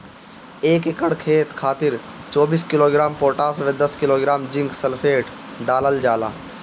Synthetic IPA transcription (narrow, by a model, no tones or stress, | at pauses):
eːkekəɽkʰeːt̪kʰaːt̪ɪɾ | t͡ʃɔːbiːskɪloːɡɪɾaːmpoːʈaːsʋed̪ɐskɪloːɡɾaːmd͡ʒɪ̃ŋɡsəlpʰeːʈ | ɖaːləld͡ʒaːla̰ː